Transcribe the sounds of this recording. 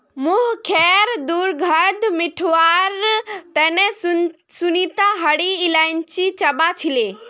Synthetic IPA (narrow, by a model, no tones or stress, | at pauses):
mũːɦkʰɛːɾd̪uːɾɡʱəd̪mɪʈʰʋaːɾt̪ɐ̃nẽ | sʊnit̪ãɦɐɽiːlaːɪnɪ̆t͡ɕit͡ɕɐbat͡ɕʰileː